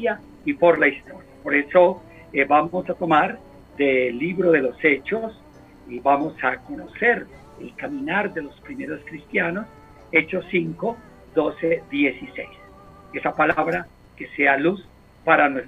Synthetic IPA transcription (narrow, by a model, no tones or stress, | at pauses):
ja | ipo̞ɾlaist̪o̞ɾjapo̞ɾe̞so̞ | bamosat̪o̞maɾ | d̪eliβɾo̞ðe̞lo̞se̞t͡ʃos | iβamo̞sako̞no̞se̞ɾ | elkamĩnaɾd̪e̞lo̞spɾime̞ɾo̞skɾist̪jano̞s | e̞t͡ʃo̞siŋko̞ | d̪o̞se̞d̪je̞sisejs | e̞sapalaβɾa | ke̞sealus | paɾanwes